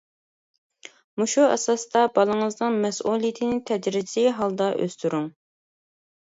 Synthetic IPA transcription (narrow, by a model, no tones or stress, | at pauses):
muʃuɛ̰sɑsd̪ɑbɑlˠəŋəznɨŋmɛsʔulˠijɪt̪ʰɪnɪt̪ʰɛd͡ʒɾɪziɦɑlˠd̪ɑʔø̰st̪ʰyɾuŋ